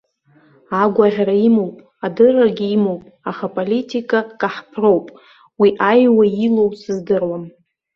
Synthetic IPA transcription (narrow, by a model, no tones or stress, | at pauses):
aɡʷaʁʲraimo̞wpʼ | adɨraɡʲiimowpʼaχapʼolitʰʼikʼakʼaħpʰro̞wpʼ | wiʔajwailo̞wsɨzdɨrwam